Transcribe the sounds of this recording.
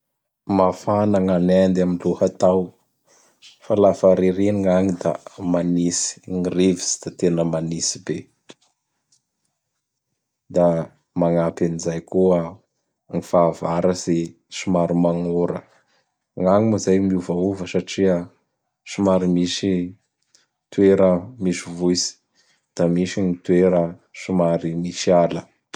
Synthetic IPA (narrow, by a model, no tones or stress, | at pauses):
mafanaŋanend̪aminluhat̪aw | falafaɾiɾeniŋaŋid̪a̰manisi̥ŋirevi̥z̥i̥d̪̥at̪enəmanisibe | d̪a | maŋapanizajkua | ŋifavaɾəse | sumaɾimaŋoɾə | ŋaŋuməzajmiuvauvəsaʈ͡ʂiə | sumaɾimiʃi | t̪ueɾəmisivuisi̥ | d̪̥amiʃinit̪weɾəʃumaɾimiʃialə